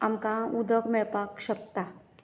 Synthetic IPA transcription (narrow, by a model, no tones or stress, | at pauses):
əmkaud̪əkmepakʃək̚t̪a